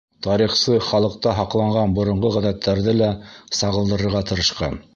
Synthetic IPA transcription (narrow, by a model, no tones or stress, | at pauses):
t̪ɑɾiχsɤχɑlˠɤ̆q̚t̪ɑɦɑqlˠɑɴɢɑnbŏɾŏɴʁoʁæðæt̪ʰːæɾðɘlæsɑʁɤ̆lˠd̪ɤ̆ɾɤ̆ɾʁɑt̪ɤ̆ɾɤ̆ʃqɑ̰n